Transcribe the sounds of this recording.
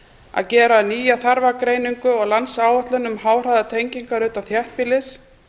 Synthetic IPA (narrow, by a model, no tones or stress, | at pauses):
a̰ðcɛːɾaðniːjaθaɾvakɾeːjniŋkʏɔɣlansaːwœht̪lʏnʏmhaːwr̥ajðat̪ʰejɲciŋkaɾʏːt̪amθjɛhpɪlɪs